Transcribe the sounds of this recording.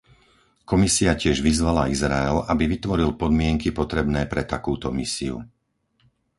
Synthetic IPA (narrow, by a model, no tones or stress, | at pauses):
kɔmisiacɪɛʒʋizʋalaizɾaɛlabiʋit̪ʋɔɾilpɔd̪mɪɛŋkipɔt̪ɾɛbnɛːpɾɛt̪akuːt̪ɔmisiṵ